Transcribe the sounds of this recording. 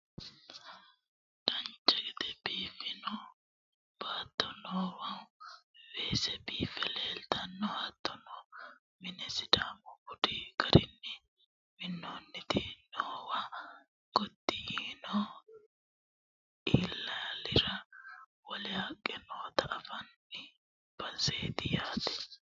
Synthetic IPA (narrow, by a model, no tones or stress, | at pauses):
d̪ɐnt͡ʃːɛɡɛd̪ɛbiːfɪnɔ | b̥at̪ːɔnoːwɐwweːsɛbiːfɛleːlt̪ɐnːɔhat̪ːɔnɔ | mɪnɛsɪd̪aːmɔbʊd̪iɡɐɾɪnːɛ | mɪnːɔnːɪt̪ɪnoːwa | ɡ̥ɔd̪ːɪjiːnɔ | ʔiːlːɐlɪɾɐwɔlɪhakʼːɛnoːt̪ɐʔːfɐnː | ɛ | b̥ɐnsed̪ɪjaːt̪ɪ̥